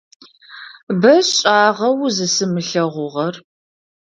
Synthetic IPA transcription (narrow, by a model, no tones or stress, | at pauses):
bɐɕɕʼaːʁɐwzɨsɨmɨɬɐʁʷʊʁɐr